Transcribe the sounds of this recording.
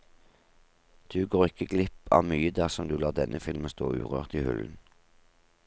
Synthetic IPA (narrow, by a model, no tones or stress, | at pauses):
d̪̥ʉːɡoːʁɪkəɡlɪpɑ̰ːʋmyːəd̪æʁsɔmd̪ʉːlɑːd̪ɛnʔəfɪlmənst̪o̰ːʔʉ̰ːʁøːʁt̪iːhʉln̩